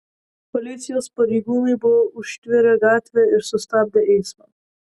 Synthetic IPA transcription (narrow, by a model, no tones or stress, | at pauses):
pɔlit̪sijɔspɔɾiɡunibouʃt̪ʋiɾɛɡaːt̪ʋɛɪɾsɔst̪ab̚d̪ɛʔeːsma